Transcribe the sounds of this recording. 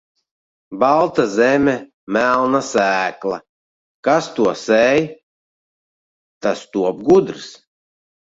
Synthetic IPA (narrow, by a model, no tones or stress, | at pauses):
balˠt̪azɛmʲɛ | mælˠnasæːklˠa̰ | kast̪uɔsɛj | t̪ast̪uɔb̚ɡud̪ɾs